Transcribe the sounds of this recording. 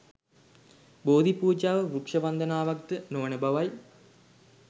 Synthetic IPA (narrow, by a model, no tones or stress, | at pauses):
boːd̪ʱipuːd͡ʒaːʋəʋɾukʂɐʋɐnd̪ənaːʋak̚t̪ənoʋənəbaʋaj